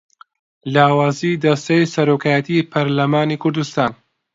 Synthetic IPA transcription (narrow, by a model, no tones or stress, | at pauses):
laːwaːziːd̪ɐst̪ɐjsɐɾoːkʰaːjɐt̪ʰipʰɐɾlɐmaːnikʰʊɾd̪ust̪aːn